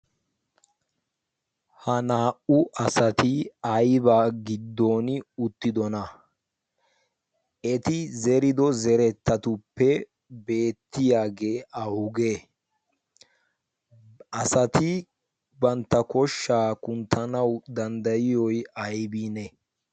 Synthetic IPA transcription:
hɐnaːʔʊʔɐsɐt̪ɪɐjbaːɡɪd̪ːoːnɪʊt̪ːɪd̪ɔnɐ | ɛt̪ɪzɛɾɪd̪ɔzɛɾɛt̪ːɐt̪ʊpːɛ | be̞ːt̪ːɪjaːɡe̞ːʔɐʊɡeː | ɐsɐt̪ɪ | bɐnt̪ːɐkɔʃːaːkʊnt̪ʰːɐnɐwd̪ɐnd̪ɐjɪjɔjɐjbinɛ

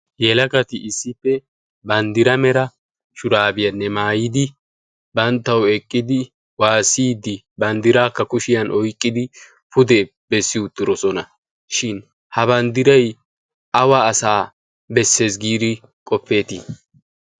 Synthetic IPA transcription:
jɛlɐɡɐt̪ɪʔɪsːɪpːɛ | bɐnd̪ɪɾɐmɛɾɐ | ʃʊɾaːbɪjɐnːɛmaːjɪd̪ɪ | bɐnt̪ːɐwɛkʼːɪd̪ɪ | waːsiːd̪ɪ | bɐnd̪ɪɾaːkːɐkʊʃɪjɐnʔɔjkʼːɪd̪ɪ | pʊd̪ɛ | bɛsːɪʊt̪ːɪɾɔsɔnɐ | ʃɪn | hɐβɐnd̪ɪɾɐj | ɐwaːsaː | bɛsːe̞ːsɡiːd̪ɪ | kʼɔpːe̞ːt̪ɪ̰

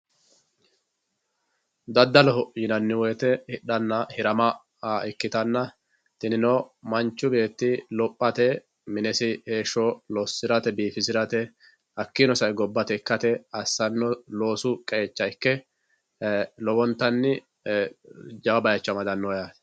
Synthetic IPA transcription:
d̪ɐd̪ːɐlɔɦɔjɪnɐnːɪwɔjt̪ɛhɪɗɐnːɐhɪɾɐmɐː | ɪkːɪt̪ɐnːɐ | t̪ɪnɪnɔːmɐnt͡ʃːʊbe̞ːt̪ːɪlɔpʼːɐt̪ɛ | mɪnɛsɪheːʃːɔlɔsːɪɾɐt̪ɛbiːfɪsɪɾɐt̪ɛ | hɐkːɪnɔsɐjɡɔbːɐt̪ɛkːɐt̪ɛɐsːɐnːɔlo̞ːsʊkʼɛeːt͡ʃːɐɪkːɛ | lɔbɔnt̪ːɐnːɪ | d͡ʒɐwɐbɐjɐt͡ʃːɐmɐd̪ɐnːɔjat̪

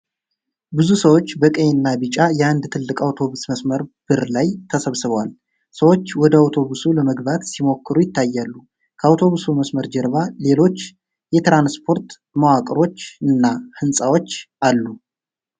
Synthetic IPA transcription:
bɨzusəwo̞t͡ʃːbəkʼəjnːabɨt͡ʃʼajɛnd̪t̪ʰɨlːɨkʼawt̪ʰo̞βusməsməɾb̥ɨɾlajt̪ʰəsəβsɨβwal | səwo̞t͡ʃːwɔd̪əawt̪ʰo̞βusuləməɡβat̪simo̞kʰːɨɾujɪt̪ːajːalːu | kʰəawt̪ʰo̞βusuməsməɾd͡ʒɛɾβale̞lo̞t͡ʃː | jɛt̪ɾanspʰo̞ɾt̪ | məwakʼɾo̞t͡ʃːɨnːahɨnsʼawo̞t͡ʃː | alːu

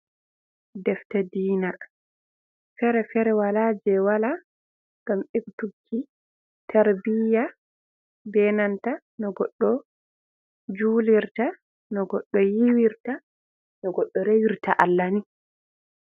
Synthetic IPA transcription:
dɛftadiːna | fɛɾɛfɛɾɛwalaːd͡ʒɛwala | ŋɡ̥amektukʰːi | tʰaɾbija | bɛnanta | nɔɡɔɗːɔ | d͡ʒuːliɾta | nɔɡɔɗːɔjiwiɾta | nɔɡɔɗːɔɾewiɾtaʔalːani

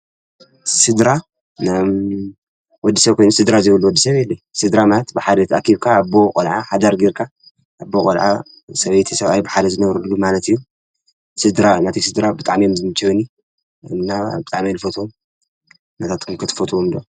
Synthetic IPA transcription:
sɨd̪ɾa | nam | wɔd̪ːisɐβkʰojnusɨd̪ɾazɨβulːuwɔd̪ːisɐβɛlːɐjsɨd̪ɾamalɐt̪bɨħad̪ɐt̪ʰɐʔakʰiβkʰaːbːokʼolʕaħad̪ɐɾɡiɾkʰa | ʔːbːokʼɐlʕa̰ | sɐβɐjt̪ʰisɐβajbɨħad̪ɐzɨnɐβɾulːumalɐt̪ɨjːu | sɨd̪ɾanat̪ʰisɨd̪ɾabɨt̪ʼaʕmijomzɨmɨt͡ʃiwni | ɨnːabɨt̪ʼaʕmijlfot̪ʰom | nɐt̪ʰat̪kʰumkʰɨt̪ʰɨ̥fɐt̪ʰuomd̪ɐ

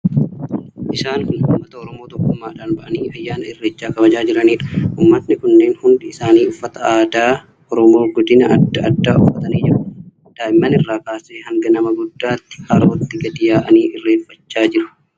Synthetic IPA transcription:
ʔɪsaːnhʊnhʊmːɐt̪ɐɔɾɔmo̞ːt̪ɔkːʊmːaːᶑaːnbɐʔɐniːɐjːaːnɐɪrːeːt͡ʃːaːkɐbɐd͡ʒaːd͡ʒɪɾɐniːᶑɐ̥ʔʊmːɐt̪nɪkʊnːe̞ːnhʊnd̪ɪɪsaːniːʊfːɐt̪ɐaːd̪aː | ʔɔɾɔmo̞ːɡɔd̪ɪnɐʔɐd̪ːɐd̪ːaːʊ̰fːɐt̪ɐniːd͡ʒɪɾɐn | d̪̥aːʔɪmːɐnɪrːaːkaːseːhɐŋɡɐnɐmɐɡʊd̪ːaːt̪ːɪ̥hɐɾoːt̪ːɪɡɐd̪ɪjaːʔɐ̰niːʔɪrːeːfːɐt͡ʃːaːd͡ʒɪɾʊ̥

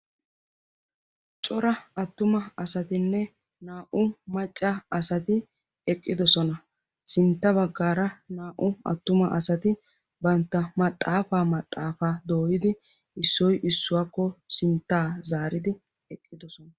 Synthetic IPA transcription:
t͡ʃʼɔɾɐɐt̪ːʊmɐɐsɐt̪ɪnːɛ | naːʔʊmɐt͡ʃʼːɐɐsɐt̪ɪ | ɛkʼːɪd̪ɔsɔnɐ | sɪnt̪ːɐbɐɡːaːɾɐnaːʔʊɐ̰t̪ːʊmɐʔɐsɐt̪ɪ | bɐnt̪ːɐmɐt̪ʼːaːfaːmɐt̪ʼːaːfaːd̪oːjɪd̪ɪ | ɪsːɔjʔɪsːʊwaːkːɔsɪnt̪ːaːzaːɾɪd̪ɪ | ɛkʼːɪd̪ɔsɔnɐ

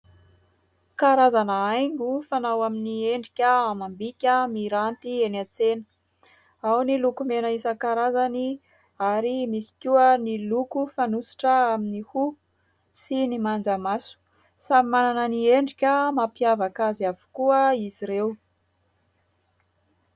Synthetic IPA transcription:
kaɾazanəajŋɡufanawaminieɳɖ͡ʐikʲəamambikʲəmiɾant̪ienat͡senə̥ | awnilukumenəisəkaɾazani | aɾimisi̥kʲuənilukufanusi̥ʈ͡ʂəaminihu | sinimand͡zamasu̥ | samimananənieɳɖ͡ʐikʲəmapiavakaziavu̥kuəiziɾew

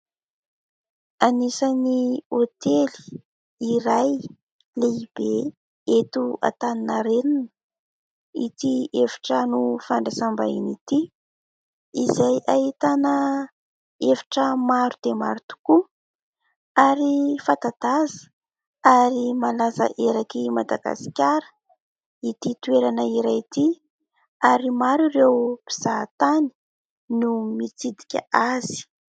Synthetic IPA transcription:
anisəniot̪eli̥ | iɾaj | leib̥e | et̪ua̰t̪aninaɾeninə | it̪ievi̥ʈ͡ʂənufaɳɖ͡ʐasamba̰init̪i | izajaɦit̪anə | evi̥ʈ͡ʂəmaɾud̪ema̰ɾut̪u̥ku | aɾifat̪ad̪̥azə̥ | aɾimalazə̰ʔeɾakimad̪aɡa̰si̥kʲaɾə̥ | it̪it̪ueɾanəiɾajt̪i | aɾimaɾurewb̥iz̥at̪ani̥ | numit͡sid̪i̥kʲə̰azi̥

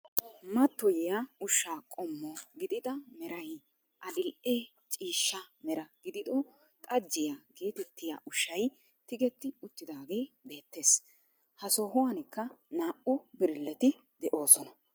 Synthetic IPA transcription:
mɐt̪ːɔjɛjaʊʃːaːkʼɔmːɔɡɪd̪ɪd̪ɐmɛɾɐj | ʔɐd̪ɪlʔeː | t͡ʃʼiːʃːɐmɛɾɐɡ̥ɪd̪ɪd̪ɔ | t̪ʼɐd͡ʒːɪjaɡe̞ːt̪ɛt̪ːɪja̰ʔʊʃːɐj | t̪ɪɡɛt̪ːɪʊt̪ːɪd̪aːɡe̞ːbe̞ːt̪ːe̞ːs | hɐsoːɦʊwɐnɪkːɐnaːʔʊbɪɾlːɛt̪ɪ | d̪ɛʔo̞ːsɔnɐ

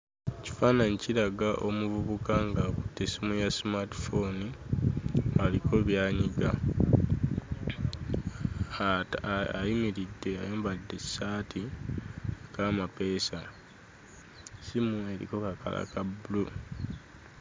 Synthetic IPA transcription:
eci̥faːnaɲiciɾaɡaʔo̞muvuβukaŋɡakutːesimujasimati̥foni | aliko̞βjaːɲiɡa | aimiɾidːe̞a̰joːmbadːe̞saːtʰi | ekamape̞ːsa | simue̞ɾḭko̞kaka̰la̰kabulu

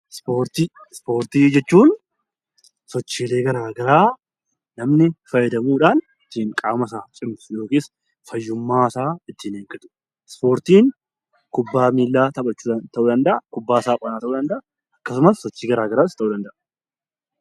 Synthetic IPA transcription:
spoːɾt̪ispo̞ːɾt̪iːd͡ʒɛt͡ʃːuːn | sɔt͡ʃːiːle̞ːɡɐɾaːɡɐɾaː | nɐmnɪfɐjɛd̪ɐmuːᶑaːn | ɪt̪ːiŋkʼaːmɐs̬aːt͡ʃʼɪmsʊjo̞ːkeːs | fɐjːʊmːaːsaːɪt̪ːɪneːŋkʼɪt̪ʊ̥ | spo̞ːɾt̪iːŋ | kʊbːaːmiːlːaːt̪ɐpʼɐt͡ʃːuːɐt̪ʰɐʔuːd̪ɐnd̪ɐʔɐkʊbːaːsaːpʼɐnaːt̪ɐʔuːd̪ɐnd̪ɐʔa | ɐkːɐsʊmɐsːɔt͡ʃːiːɡɐɾaːɡɐɾaːɪst̪ːɐʔuːd̪ɐnd̪ɐʔɐ

